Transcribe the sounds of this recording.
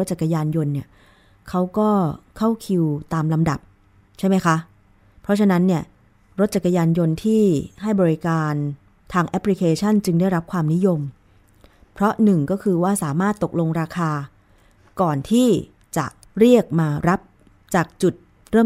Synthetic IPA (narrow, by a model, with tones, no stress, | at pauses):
o˦˥t̪̚t͡ɕa˨˩kʰːa˧jaː˧njo˧nːi˥˩ɐ | kʰa˦˥wkɔː˥˩kʰa˥˩wkʰi˧wt̪aː˧mla˧mda˨˩p̚ | t͡ɕʰa˥˩jma˦˥jkʰa˦˥ | pʰɾɔ˦˥t͡ɕʰa˧na˦˥nːi˥˩ɐ | ɾo˦˥t̪̚t͡ɕa˨˩kːa˧jaː˧njo˧nt̪ʰiː˥˩ɦa˥˩jbɔː˧ɾi˦kaː˧n | t̪ʰaː˧ŋʔɛ˦˥pʰli˧kʰeː˧t͡ɕʰa˥˩nt͡ɕɯ˧ŋdaː˥˩jɾa˦˥p̚kʰwaː˧mni˦˥jo˧m | pʰɾɔ˦˥nɯ˨˩ŋkɔː˥˩kʰɯː˧waː˥˩saː˩˦maː˥˩t̪ːo˨˩k̚lo˧ŋɾaː˧kʰaː˧ | kɔː˨˩nt̪ʰiː˥˩ | t͡ɕa̰˨˩ʔ | ɾi˥˩ək̚maː˧ɾa˦˥p̚ | t͡ɕaː˨˩k̚t͡ɕu˨˩t̪̚ | ɾɤː˥˩